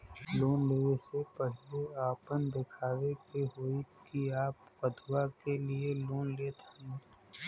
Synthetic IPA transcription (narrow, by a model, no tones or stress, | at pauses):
loːnleːesepəɦɪleaːpənd̪ɪkʰaːʋekeɦoːikiaːpkəd̪ʱuakelieloːnleːt̪ʰaĩː